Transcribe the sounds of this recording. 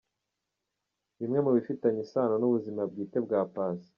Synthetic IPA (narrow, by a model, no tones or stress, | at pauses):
βimŋe̞muβifitaɲisaːnonuβuzimabɡiːte̞bɡaːpaːsi̥